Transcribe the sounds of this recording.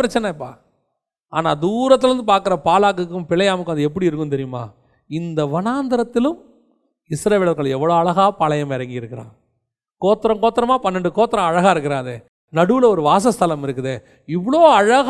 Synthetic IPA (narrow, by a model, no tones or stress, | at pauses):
ɪɾɐt͡ʃːɐnɐpːa̰ː | aːnaːd̪uːɾɐt̪ːɾɐɾɯnd̪ɯpaːɾkɯɾɐpaːlaːk̬ːɯkːɯ̃mpɪlɐjaːmɯkːɯɐnd̪ɯɛp̬ːɐɽiɪɾɯkːɯnt̪ɛɾɪjɯma̰ː | ɪnd̪ɐʋɐnaːnd̪ɐɾɐt̪ːɪlɯ̃m | ɪsɾɐʋeːɭɐɾɣɐɭɛʋːɐɭoːɐɭɐɣaːpɐɭɐjɐmɛɾɐŋɡiɪɾɯkːɪɾã̰ː | koːt̪ːɪɾɐ̃ŋkoːt̪ːɪɾɐmaːpɐnːɛɳɖɯkoːt̪ːɪɾɐ̃ɐɻɐɣaːɪɾɯkːɪɾãːɐðe | nɐɽɯlɐɔɾɯʋaːsɐst̪ʰɐlɐmɪɾɯkːɯðeː | ɪʋːɐɭoːɐɻɐɣ